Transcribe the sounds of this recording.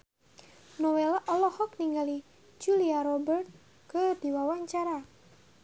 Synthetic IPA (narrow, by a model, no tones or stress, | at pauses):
nɔwelaʔɔlɔhɔk̚niŋɡali | d͡ʒuliaɾɔbərt̪̚ | kəd̪̥iwawaɲt͡ʃaɾa